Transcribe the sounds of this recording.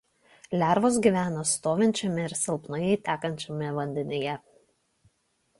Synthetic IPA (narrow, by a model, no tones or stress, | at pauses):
lʲæˑɾʋoːs̬ɡʲiːˑʋʲæːnost̪oːʋʲɪnʲt͡ʃʲɛmʲɪɪɾsʲɛlˠpnɐjɛɪt̪ʲæːkɐnʲt͡ʃʲɛmʲɪʋɐnʲd̪ʲɛnʲɪjɛ